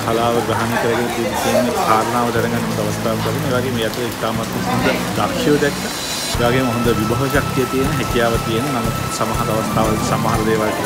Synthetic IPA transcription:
kʰalaːʋəɡɾaɦanekɐɾəɡenɐt̪inisenːekaːɾənaːʋət̪ɛnɐŋɡanːemɐt̪aʋɐst̪aːʋək̪ɐɾinːɐeʋaːɡeːmejat̪ːulɐit̪aːmat̪miɦond̪əd̪akjoːd̪ɛkːə | eʋaːɡeːmoɦond̪əʋibʱaʋəʃak̚t̪ijət̪ijenəɦɛkijaːʋət̪ijenənamut̪samaɦɐt̪aʋɐst̪ʰaːʋasamaːɦɐɾɐd̪eːʋaːlk̪i

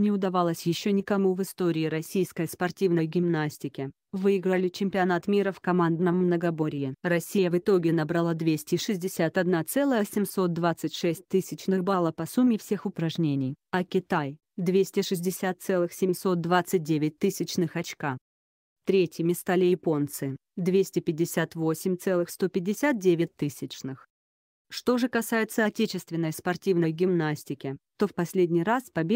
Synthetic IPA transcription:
nʲɪʊd̪ɐvalˠəsʲjɪɕːonʲɪkɐmuvɨst̪o̞ɾʲɪːɾɐsʲijskəjspɐrtʲivnəjɡʲɪmnasʲtʲɪkʲɪ | vɨɪɡɾəlʲɪt͡ɕɪmʲpʲɪɐnat̪mʲiɾəfkɐmand̪nəmmnəɡɐbo̞ɾʲɪjɪrɐsʲːijəvɨt̪o̞ɡʲɪnɐbɾɐlˠad̪vʲesʲtʲɪʂɨzʲdʲɪsʲat̪ɐd̪nat̪sɛlˠəjəsʲɪmʲso̞t̪̚d̪vat̪sɨtʲʂɛsʲt̚ʲt̪ɨsʲɪt͡ɕnɨxbalˠəpɐsumʲːɪfsʲe̞xʊpɾɐʐnʲenʲɪjɐkʲɪt̪aj | d̪vʲesʲtʲɪʂɨzʲdʲɪsʲat̪̚t̪sɛlˠɨxsʲɪmʲso̞t̪̚d̪vat̪sɨt̚ʲdʲevʲɪt̚ʲt̪ɨsʲɪt͡ɕnɨxɐt͡ɕka | t̪ɾʲetʲjɪmʲɪst̪alʲɪjɪpo̞nt̪sɨd̪vʲesʲtʲɪpʲɪdʲːɪsʲat̪vo̞sʲɪmʲt̪sɛlˠɨxst̪o̞pʲɪdʲɪsʲat̪̚dʲevʲɪt̚ʲt̪ɨsʲɪt͡ɕnɨx | ʂt̪o̞ʐɨkɐsajɪt̪səɐtʲet͡ɕɪst̪vʲɪnːəjspɐrtʲivnəjɡʲɪmnasʲtʲɪkʲɪt̪o̞fpɐsʲlʲedʲnʲɪjraspɐbʲe

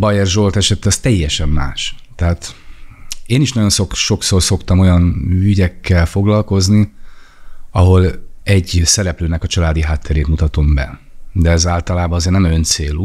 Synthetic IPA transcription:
bɒjɛrʒo̞lt̪ɛʃɛt̪ːɛɒst̪ɛjːɛʃɛmːa̰ːʃt̪ɛɦaːt̪ | eːniʃnɒɟo̞nsokʃo̞ksoːrso̞kt̪ɒmo̞jɒnyɟɛkːɛlfo̞ɡlɒlko̞zni | ɒɦo̞lɛɟsɛɾɛpløːnɛkɒt͡ʃɒlaːd̪iɦaːt̪ʰːɛɾeːt̪mut̪ɒt̪o̞mbɛ̰d̪ɛɛzaːlt̪ɒlaːbɒnɒzeːrnɛmønt̪seːluː

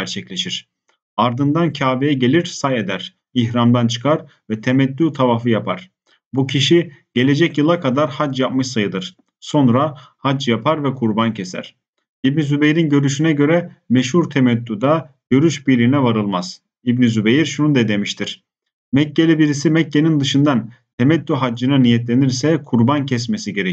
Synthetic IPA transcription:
æɾt͡ʃʰɛclʲe̞ʃiɾ̥ | aɾd̪ɯnd̪ancʰaːvejɛɟe̞lʲiɾsaje̞d̪æɾ̥ | içɾamd̪ant͡ʃʰɯ̥kʰaɾ | vɛt̪ʰemɛt̪ːyt̪ʰavafɯjapʰaɾ̥ | bucʰiʃiɟ̥e̞lʲe̞d͡ʒɛcjɯlˠakʰad̪aɾhad͡ʒjap̚mɯʃsajɯd̪ɯɾ̥ | so̞nɾahad͡ʒjapʰaɾvɛkʰuɾbancʰe̞sæ̰ɾ̥ | ibnizybejɾinɟø̞ɾyʃynɛɟø̞ɾɛmɛʃhuɾt̪ʰemɛt̪ːud̪a | ɟ̥ø̞ɾyʃbiɾlʲinɛvaɾɯlˠmaz̥ | ibnizubejiɾʃunud̪ɛd̪e̞miʃt̪ʰiɾ̥ | mɛcːelʲibiɾisimɛcːe̞nind̪ɯʃɯnd̪ant̪ʰemɛt̪ːyɦad͡ʒːɯnɯnijɛt̪lʲe̞niɾsɛkʰuɾbancʰɛsmesiɟeɾɛ

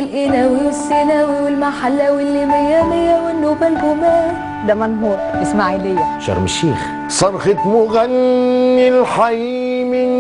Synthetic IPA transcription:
ɪlʔɪnæwiɪsːænæwwɪlmaħalːæwɪlːimæjænɪjːæwɪnːuːbælɡʊmæ | d̪æmænɦuːɾʔɪsmaʕiːlɪjːæʃɑ̰ɾˤmɪʃːiːx | sˤɑɾˤxɪt̪mʊɣænːɪlħaji | mɪ

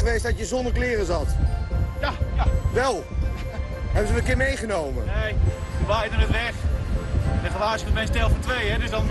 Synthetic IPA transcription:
əʋeːstdɔtjəzɔndəklɪːrəzɑtjaaʋɛlˠ | ɦɛbənzəʋəkɪɹmejχənowmə̰nejuʋajdənətʋɛχ | dəχəlaːsəmɛnstɛlˠfɔntʋejɛdøsdɔn

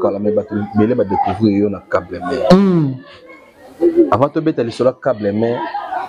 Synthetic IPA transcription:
kalamɛbatobelebadekuvuejɔnakablɛmɛ | avatobetalisolakablɛmɛ

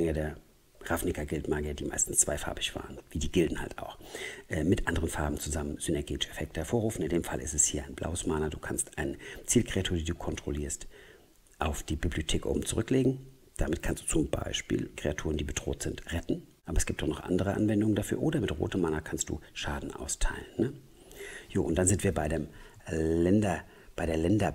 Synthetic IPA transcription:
ɛŋədeːɐ | ʁafnɪkɐɡɪltmaːɡiɐdiːma̰ɪstn̩st͡sv̥aɪfa̰ɐbɪçv̥a̰ːʁənviːdiːɡɪldn̩ha̰lta̰ʊxʔɛːmɪtʔandəʁənfaɐbm̩t͡suzamənz̥ynɛɐɡeːtɪ̥ʃɛfɛk̚təhɛɐfoːɐʁuːfn̩ɪndeːmfalʔɪ̰stɛshiːɐʔaɪnbla̰ʊəsmanɐduːkʰanstʔaɪnət͡siːlkʁ̥eatʰuːɐdiːduːkʰɔntʁ̥oliːɐst | ʔaʊfd̥iːbibliotʰeːkʔo̰ːbm̩t͡suʁʏkleːɡŋ̩ | d̥amɪt̚kʰanstd̥u̥ːt͡sʊmba̰ɪʃpḭːlkʁ̥eatʰuːʁəndiːbədʁo̰ːtz̥ɪntʁɛtn̩ʔaːbɐɛsɡ̥iːp̚td̥ɔχnɔχʔa̰ndəʁəʔa̰nvɛndʊŋəndafy̰ːɐʔoːdɐmɪtʁo̰ːtəmːanɐkʰanstd̥ṵːʃaːdn̩ʔa̰ʊstʰaɪlənːə | joːʔʊntd̥anzɪntv̥iːɐbaɪdeːm | lɛndɐ | b̥aɪdeːɐlɛndɐ

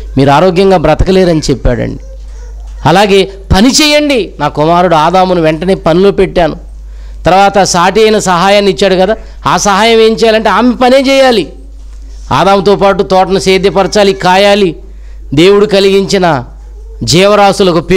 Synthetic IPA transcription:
miːɾuaːɾoːɡjɐŋɡaːbɾɐt̪ɐkɐleːɾɐnit͡ʃɛpːaːɽɐ̰ɳɖi | ɐlaːɡe̞ː | pɐnit͡ʃɛːjɐɳɖinaːkumaːɾuɽuaːd̪aːmunuʋeɳʈɐne̞ːpɐnilo̞ːpeʈːaːnu | t̪ɐɾɐʋaːt̪ɐsaːʈiɐjnɐsɐɦaːjaːnit͡ʃːaːɽukɐd̪aː | aːsɐɦaːjɐme̞ːmt͡ʃɛːjaːlɐɳʈeaːmepɐne̞ːt͡ʃɛːjaːli | a̰ːd̪aːmut̪ɔːpaːʈut̪ɔːʈɐnuseːd̪jɐpɐɾɐt͡ʃaːlikaːjaːli | d̪e̞ːwuɽukɐliɡiɲt͡ʃinɐ | d͡ʒɛːʋɐɾaːsulɐkupi

